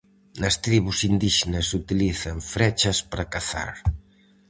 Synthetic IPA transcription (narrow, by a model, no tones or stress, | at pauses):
nɐst̪ɾiβusind̪iʃenɐsut̪iliθɐɱfɾɛt͡ʃɐspaɾɐkaθa̰ɾ